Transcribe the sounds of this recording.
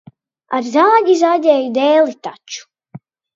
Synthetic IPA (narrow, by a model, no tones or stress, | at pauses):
a̰ɾzaːɟʲizaɟʲɛːjud̪ɛːlit̪at͡ʃu̥